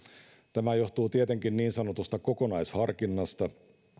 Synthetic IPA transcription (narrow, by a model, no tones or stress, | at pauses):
t̪æmæjo̞ht̪uːt̪iet̪eŋkinniːnsɑnot̪ust̪ɑkokonɑjshɑrkinːɑst̪ɑ